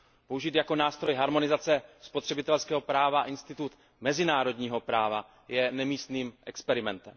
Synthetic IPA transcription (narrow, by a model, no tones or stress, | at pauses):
po̞uʒit̪jako̞naːst̪ɾo̞jɦaɾmo̞nɪzat͡sɛspo̞t̪r̥ɛbɪt̪ɛlskɛːɦo̞pɾaːvaaʔɪnst̪ɪt̪ut̪ | mɛzɪnaːɾo̞dɲiːɦo̞pɾaːva̰ | jɛnɛmiːst̪niːmʔɛkspɛɾɪmɛnt̪ɛm